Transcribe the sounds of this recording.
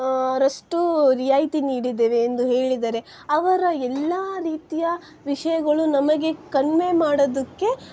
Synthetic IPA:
ɾɐsʈuɾijaːjt̪iniːɽid̪ːeːʋeːnd̪uɦe̞ːɭid̪aːɾe̞ | ɐʋɐɾɐɛlːaːɾiːt̪ijɐ | ʋiʂɐjɐɡɐɭunɐmɐɡe̞kɐnme̞maːɽod̪ɐkːe̞

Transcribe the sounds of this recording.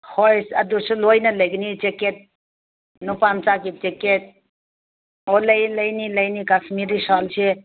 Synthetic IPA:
hojsad̪usɔlojnələjɡnit͡ʃeket̪̚ | nupamt͡sakit̪̚t͡ʃeket̪̚ | oləjləjniləjnikasʰmiɾisɔlsʰe

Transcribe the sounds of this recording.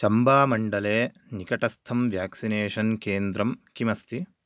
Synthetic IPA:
t͡ʃɐmbaːmɐɳɖɐleː | nikɐʈɐst̪ʰɐmʋjaːksineːʂɐnkeːnd̪ɾɐmkimɐst̪ʰi

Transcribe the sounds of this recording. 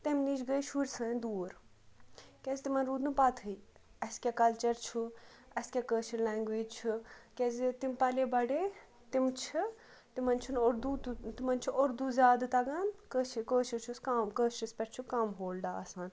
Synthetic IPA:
t̪emniːd͡ʒɡəjʃʰuɾʲsɐːd̪uːɾ | kʲezit̪imɐnɾuːd̪nupaːt̪ʰɨi | ɐskʲakɐlt͡ʃɐɾt͡ʃʰu | ɐskʲaːkəːʃiɾlaːŋɡʋeːd͡ʒt͡ʃʰukʲezit̪impɐlebɐɖeː | t̪imt͡ʃʰi | t̪imɐnt͡ʃʰunoɾd̪ut̪t̪imɐnʲt͡ʃʰuʔoɾd̪uzʲjaːd̪ɨt̪ɐɡaːnkəːʃikoːʃit͡ʃʰuskamkəːʃispʲɛʈt͡ʃʰukɐmɦoːlɖ̪aːɐsaːn

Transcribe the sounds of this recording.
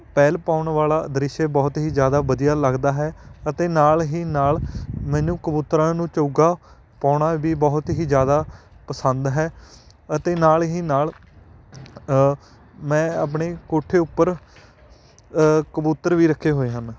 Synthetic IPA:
pɛːlpaːʊɳʋaːlaːd̪ɾɪʃebɔːt̪ɦiːd͡ʒjaːd̪aːʋəd̪ijaːləɡd̪aːɦɛːət̪eːnaːlɦiːnaːlmɛ̃ːnũːkəbuːt̪ɾãːnũːt͡ʃəɡaː | paːɳaːʋiːbɔːt̪ɦiːd͡ʒjaːd̪aːpəsənd̪ɦɛː | ət̪eːnaːlɦiːnaːl | mɛ̃ːaːp̬ɳeːkoːʈʰːeːʊpːəɾ | kəbuːt̪ːəɾʋiːɾəkʰːeːɦoːeːɦən

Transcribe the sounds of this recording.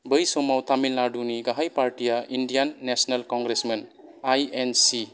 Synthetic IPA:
bəjsomawt̪ʰamilnaɖuniɡaɦajpaɾtijaʔindijanːesnalkɔŋɡɾesmenajensi

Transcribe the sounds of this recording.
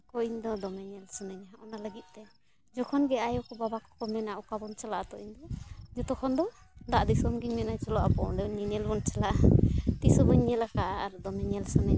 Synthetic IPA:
kɔʔiɲd̪ɔd̪ɔmɛɲɛlsɔnaɲaɔnaləɡit̪̚ˀt̪ɛ | d͡ʒɔkʰɔnɡɛajɔkɔbabakɔ̥kɔmɛnaʔɔkabɔnt͡ʃalaʔat̪ɔʔiɲd̪ɔd͡ʒɔt̪ɔkʰɔnd̪ɔ | d̪aʔd̪isɔmɡiɲmɛnajt͡ʃɔlɔʔapɔɖɛniɲɛlbɔnt͡ʃalaʔat̪isɔbɔɲɛlakaʔaːɾd̪ɔmɛɲɛlsɔnaɲa

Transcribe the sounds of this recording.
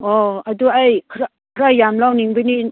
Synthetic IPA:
oaduajkʰɾa | kʰɾajamlawniŋbɯni

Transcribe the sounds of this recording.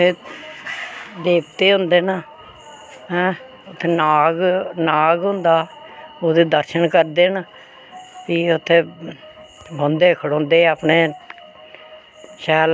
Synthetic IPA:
eː | d̪eːpt̪eːɦʊ̃nd̪eːna | ɦɛ̃ː | ʊt̪ʰːeːnaːɡnaːɡɦʊ̃nd̪aːoːd̪eːd̪əɾʃənkəɾd̪eːnaː | piʊt̪ʰːeː | bənd̪eːkʰəɽõːnd̪eːaːpneː | ʃɛːl

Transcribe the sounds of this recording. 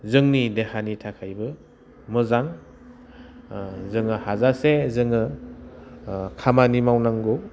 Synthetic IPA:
zɯŋnidehanitʰakʰajbɯ | mɯzaŋ | zɯŋɯhazasezɯŋɯ | kʰamanimawnaŋɡo

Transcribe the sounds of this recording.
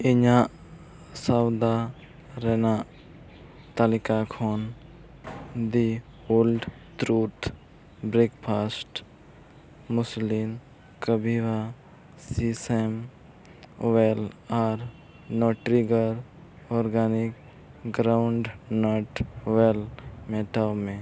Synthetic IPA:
ɪɲaʔ | sawd̪a | ɾenaʔ | t̪alɪkakʰoːn | d̪i | olɖt̪ɾuːʈ | bɾeːkpʰaːsʈ | mʊslim | kəbʱiʋa | sisem | ʋelaːɾ | nɔːʈɾiɡəɾ | ɔːɾɡaːnɪk | ɡɾaʊɳɖnɔʈʋelmeːʈamẽ

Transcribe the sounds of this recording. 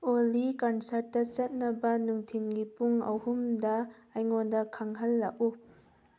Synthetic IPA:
olikɐnsɐɾtːɐt͡sɐt̚nɐbɐnuŋtʰinŋipuŋɐ̰whumdɐ | ɐjŋɔndɐkʰɐŋɦɐlːɐʔu

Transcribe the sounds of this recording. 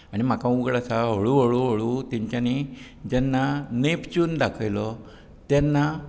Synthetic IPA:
aɽ̃im̤akãuɡɽasaɦəɭuʋəɭuʋəɭut̪ɛ̃ɲt͡ɕjani | d͡ʑɛnːanept͡ɕuːnd̪akʰəjlɔ | t̪jɛnːa

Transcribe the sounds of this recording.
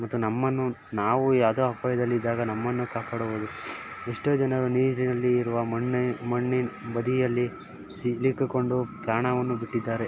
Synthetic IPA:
mɐt̪ːunɐmːɐnːu | naːʋujaːd̪o̞ːɐpaːjɐd̪ɐlːiːd̪ːaːɡɐnɐmːɐnːukaːpaːɽuʋoːd̪u | eʂʈoːd͡ʒɐnɐɾuniːd͡ʒninɐlːiːɾuʋɐmɐɳːmɐɳːibɐd̪ijɐlːi | silikːiko̞ɳɖupɾaːɳɐʋɐnːubiʈːid̪ːaːɾe

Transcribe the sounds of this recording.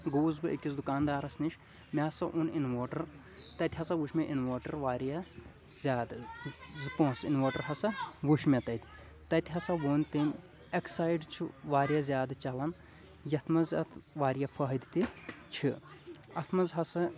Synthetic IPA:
ɡoːzbɨʔikʲisd̪ukaːnd̪aːɾɐsniʃʲ | mʲɐɐsɐʔuninʋoːʈɐɾ | t̪ɐt̪ʲɦɐsɐʋuʃmʲeʔinʋoːʈɐɾʋaːɾjɐ | zʲjaːd̪zɨpõːsinʋoːʈɐɾɦɐsɐʋuʃmʲɐt̪ɐt̪ʲʰ | t̪ɐt̪iɦɐsɐʋoːnʲt̪inʲ | eksaːjɖt͡ʃʰiʋaːɾijɐzʲjaːd̪t͡ʃɐlɐn | jɐt̪ʰmɐzɐ̰t̪ʰʋaːɾjafɐɦd̪t̪it͡ʃʰiɐt̪ʰmɐzɦɐsɨ

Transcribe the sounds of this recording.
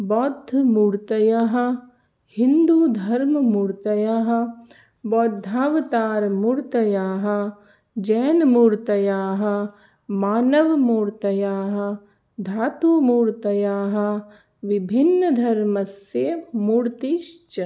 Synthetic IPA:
bɔːd̪ʱːmuːɾt̪ɐjaɦɐ̆ | hind̪uːd̪ʱɐɾmmuɾt̪ɐjaːɦɐ̆ | bɔːd̪ʱːaːʋt̪aːɾmuɾt̪ɐjaːɦɐ̆ | d͡ʒɛːnmuɾt̪ɐjaːɦɐ̆ | maːnɐʋmuːɾt̪ɐjaːɦɐ | d̪ʱaːt̪uːmuːɾt̪ɐjaːɦɐ̆ | ʋɪbʱinːəd̪ʱɐɾmɐseːmuːɾt̪iʃt͡ʃɐ

